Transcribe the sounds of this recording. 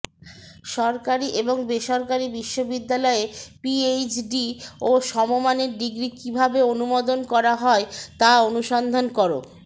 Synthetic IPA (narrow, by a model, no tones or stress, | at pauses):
ʃɔɾkaɾiʔeboŋbeʃɔɾkaɾibiʃːobid̪ːalɔepiet͡ɕɖioʃɔmomaneɾd̪iɡɾikibʱabeonumod̪onkɔɾaɦɔet̪aonuʃɔnd̪ʱonkoɾo̰